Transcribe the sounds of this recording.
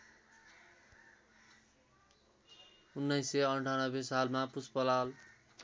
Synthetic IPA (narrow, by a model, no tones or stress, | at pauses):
unːʌjseʌɳʈʰanʌbesalmapuspʌlal